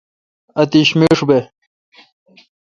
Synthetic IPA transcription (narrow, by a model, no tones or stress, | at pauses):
ɐt̪iɕmeʂube